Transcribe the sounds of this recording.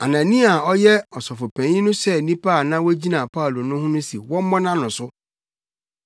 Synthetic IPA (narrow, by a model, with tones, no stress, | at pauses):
a˨nã˨nĩ˦a˨ɔ˦jɛ˦ɔ˨sɔ˨fʊ˨pʰæ̃˨˦ĩ˦nʊ̃˦sɛ˦˨nĩ˦pa˦˨nã˦wɔ˦d͡ʑi˦nã˨pʰa˦u˨lo˨nʊ̃˦hʊ̃˦nʊ̃˦sḭ˨wɔ̃˦m˦mɔ̃˦nã˦nʊ̃˨sʊ˦